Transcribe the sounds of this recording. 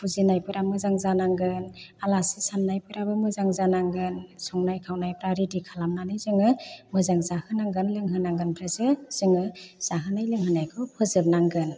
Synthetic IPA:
puzinajpɯɾamɯzaŋzanaŋɡɯnalasisamnajpɯɾabɯmɯzaŋzanaŋɡɯnsɔŋnajkʰawnajpɾaɾidikʰalamnanɯjzɯŋɯmɯzaŋzahɯnaŋɡɯnlɯŋɦɯnaŋɡɯnpʰɾɯzɯz̥ɯŋɯz̥aɦɯnajlɯŋhɯnajkʰɔpʰɯzɯp̚naŋɡɯn

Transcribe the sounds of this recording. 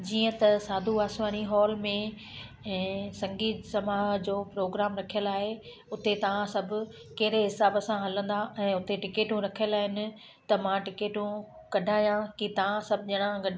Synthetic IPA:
d͡ʑiːə̃t̪ɐsaːd̪ʱuaːsʋaːniɦɔːlmẽ | ɛ̃ːsɐ̃ŋɡiːt̪sɐmaːɦd͡ʑoːpɾoːɡɾaːmɾɐkʰijəlaːɦe | ʊt̪et̪ɐʋ̤ãsɐbʱʊ̆ | kɐɦɪɾeɦɪsaːbəsãɦɐlə̃nd̪aʔɛ̃ːʊt̪eʈɪkeːʈũɾɐkʰijəlaːɦɪnɪ̆ | t̪ɐmãʈɪkeːʈũ | kɐɖʱaːjãkit̪ɐʋ̤ãsɐbʱʄɐɽ̃ãɡɐɖʱ

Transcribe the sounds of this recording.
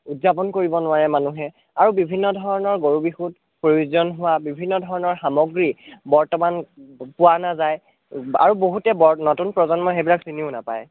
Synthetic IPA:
udzapɔnkoɹibɔnʊwaɹɛmanuɦɛ | aɹubibʱinːɔdʱɔɹɔnɔɹɡoɹubixut | pɹojuzɔnɦʊwabibʱinːɔdʱɔɹɔnɔɹxamɔɡɹibɔɹtɔmanpʊwanazaj | a̰ɹuboɦutɛbɔnotunpɹɔzɔnmɔxebilaksiniʊnapaj

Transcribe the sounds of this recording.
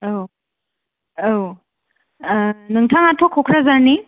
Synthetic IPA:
w | w | nɯŋtʰaŋatʰɔkʰɔkʰɾazaɾni

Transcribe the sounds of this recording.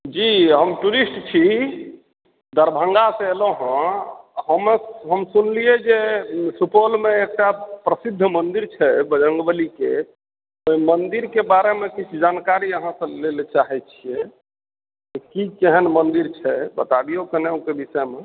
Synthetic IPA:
d͡ʒiɦəmʈuɾisʈt͡ʃʰi | d̪əɾbʱə̃ŋɡaseeloɦə̃həmɦəmsunlied͡ʒesupolmeek̚ʈapɾəsid̪ʱːmənd̪iɾt͡ʃʰɛbəd͡ʒəŋɡbəlike | oimənd̪iɾkebaɾemekit͡ʃʰud͡ʒankaɾiəɦãsə̃lelt͡ʃaɦɛt͡ʃʰije | kekikeɦənmənd̪iɾt͡ʃʰɛbət̪abiokəneokebisɛme

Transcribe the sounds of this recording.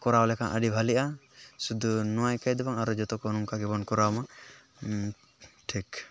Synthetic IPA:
kɔɾawlɛkanʔa̰ɖibʱalɛʔa | sud̪unɔwajkajd̪ɔbaŋaɾɔd͡ʒɔt̪ɔkɔnuŋkaɡɛbɔnkɔɾawma | ʈʰik

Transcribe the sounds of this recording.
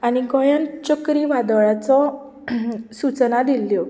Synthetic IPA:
aniɡɔjənt͡ɕəkɾiːʋad̪ɭat͡sɔ | sut͡snad̪ilːjɔ

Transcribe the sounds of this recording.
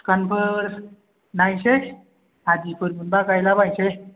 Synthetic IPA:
kanpʰəɾ | najse | ad͡ʒipɯɾmɯnbakajlabajse

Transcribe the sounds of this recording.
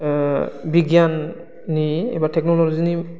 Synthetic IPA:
biɡjanː | iɛ̰batʰɛk̚nɔlɔlɔzini

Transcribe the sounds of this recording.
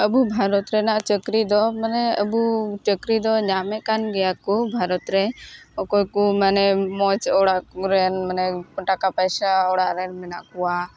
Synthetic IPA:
əbubʱaɾɔt̪ɾɛnaʔt͡ʃəkɾid̪ɔmənɛəbut͡ʃəkɾid̪ɔɲamɛkanɡɛjakubʱaɾɔt̪ɾɛɔkokumənɛmɔt͡ʃɔɽaɾɛnmənɛpəʈakapɛjsaɔɽaɾɛnmɛnaʔkuwa

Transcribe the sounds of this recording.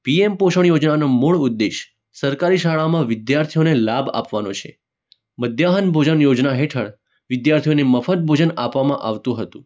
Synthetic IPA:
piempoʃəɳ̃jod͡ʒnanomoɭud̪ːeʃ | səɾkaɾiʃaɭamãʋɪd̪jaɾt̪ʰijonelaba̰pʋanot͡ʃʰḛ | məd̪jaɦənbʱod͡ʒənjod͡ʒnaɦeʈʰəɭ | ʋɪd̪jaɾt̪ʰijoneməfət̪̚bʱod͡ʒənapʋamãʔaʋt̪ũɦət̪ũ

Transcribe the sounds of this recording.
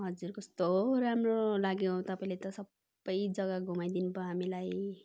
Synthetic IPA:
ɦʌd͡zurkʌst̪oɾamrolaɡjõt̪ʌpaĩlet̪ʌsʌbːʌjd͡zʌɡʌɡʱumajd̪inupʌɦamilaj

